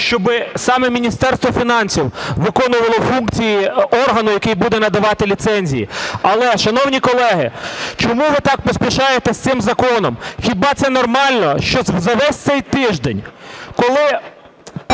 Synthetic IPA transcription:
ʃt͡ʃɔbɪsɑmɛmʲinʲist̪ɛrst̪ʋɔfʲinɑnʲsʲiwʋɪkɔnʊʋɐlˠɔfunk̚t͡sʲijiɔrɦɐnʊjɐkɪjbud̪ɛnɐd̪ɐʋɑt̪ɪlʲit̪sɛnʲzʲijḭɐlˠɛʃɐnɔwnʲikɔlˠɛɦɪt͡ʃɔmuʋɪt̪ɑk̚pɔsʲpʲiʃɑjet̪ɛsʲt̪sɪmzɐkɔnɔmxʲibɑt̪sɛnɔrmɑlʲnɔʃt͡ʃɔzɐʋɛsʲt̪sɛjt̪ɪʒd̪enʲkɔlˠɪ

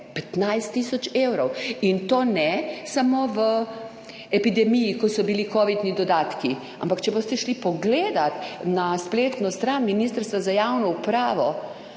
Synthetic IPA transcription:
pɛt̪najst̪ːisɔt͡ʃeːwɾɔwint̪oːnɛsamoːʋə | ɛpid̪ɛmijikɔsɔbilikɔːʋid̪nid̪ɔd̪aːt̪ki | a̰mpakt͡ʃɛbost̪ɛʃlipɔɡleːd̪at̪naspleːt̪nɔst̪ɾanminist̪əɾst̪ʋazajawnɔupɾaːʋɔ

